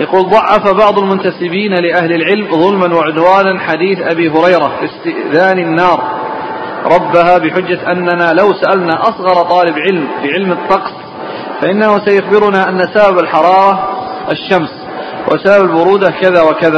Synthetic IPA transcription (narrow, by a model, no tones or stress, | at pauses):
jɑquːlðˤɑʕːɑfabɑʕðˤʊlmʊnt̪asɪbiːnlɪʔahlɪlʕɪlmðˤʊlmanwaʕʊd̪waːnanħad̪iːθʔabiːɦʊɾɑjɾafɪst̪ɪʔðaːnɪnːɑːɾˤ | ɾˤɑbːaɦaːbɪħʊd͡ʒːaʔanːanaːlawsaʔalnaːʔɑsˤɣɑɾˤɑt̪ˤɑːlɪbʕɪlmfɪʕɪlmɨt̪ːɑqs | faʔɪnːahʊsajʊxbɪɾʊnaːʔanːasababalħɑɾˤɑːɾˤɑɪʃːams | wʔa̰sababalbʊɾuːd̪akaðaːwakaðaː